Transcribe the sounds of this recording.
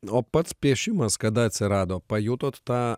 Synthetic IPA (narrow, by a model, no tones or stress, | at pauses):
oːpɐt̪spʲiɛʃʲɪmɐskɐd̪ɐɐt̪ʲsʲɪɾɑːd̪oːpɐjut̪oːt̪ːɑː